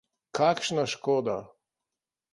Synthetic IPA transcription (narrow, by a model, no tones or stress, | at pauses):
kʰakʃnaʃkɔːd̪a